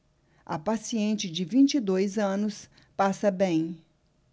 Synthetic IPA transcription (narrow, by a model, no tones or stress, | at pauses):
ɐ̰pasiẽnt͡ʃɪd͡ʒɪvĩnt͡ʃid̪ojzɐ̃nʊs | pasɐbẽj̃